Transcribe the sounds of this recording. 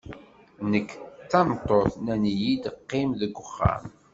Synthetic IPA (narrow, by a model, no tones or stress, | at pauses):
nəkːt͡sːɑmt̪ˤːoθnænjid̪əqːɪmðəɡʷːəχːa̰m